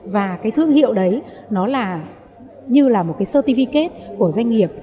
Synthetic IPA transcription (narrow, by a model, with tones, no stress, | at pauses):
vaː˨˩kaː˨˦jt̪ʰɨ˧əŋhḭ˧˨əwɗə˨˦jnɔ˨˦laː˨˩ | ɲɨ˧laː˨˩mo˨˩t̚kaː˨˦jsəː˧t̪i˧fi˧ke˦˥t̚ku˧˩əzwa˧jŋ̟ŋi˨˩əp̚